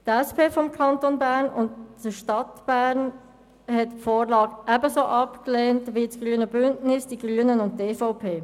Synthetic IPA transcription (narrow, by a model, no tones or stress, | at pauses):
tɛspʰeːfɔmkʰɑntonbæːɾnʊntːəʃtɑtb̥æːɾn | hɛtfoːɾlɑːɡʔæbəsoːʔɑpkleːntʋit͡sɡ̥ʁyːənəbʏntnɪsd̥iɡʁyːənənʊntteːfaʊpʰeː